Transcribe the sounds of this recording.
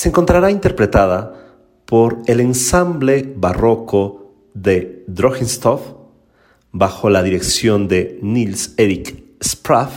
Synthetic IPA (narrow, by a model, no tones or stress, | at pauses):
se̞ŋko̞nt̪ɾaɾaint̪e̞ɾpɾe̞t̪aða | po̞ɾe̞le̞nsamble̞βaro̞ko | ðe̞ðɾoxenst̪of | baxo̞laðiɾe̞ksjo̞nd̪e̞nilseɾikspɾaf